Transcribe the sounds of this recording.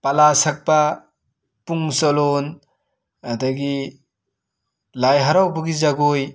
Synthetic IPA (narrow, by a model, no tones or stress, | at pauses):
palasak̚ba | puŋsɔlon | adaɡi | lajɦaɾawbɯɡizaɡoj